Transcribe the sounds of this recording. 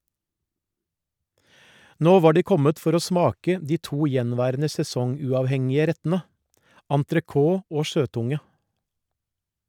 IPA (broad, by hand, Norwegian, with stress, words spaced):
ˈnoː ˈʋɑː ˈɖiː ˈkɔmət ˈfɔɾ ˈoː ˈsmɑːkə ˈdiː ˈtuː ˈjɛnˌʋæːɾənə sɛˈsɔŋˌʉːɑːʋˌhɛŋɪə ˈɾɛtn̩ə ɑntɾəˈkoː ˈoː ˈʃøːˌtʊŋə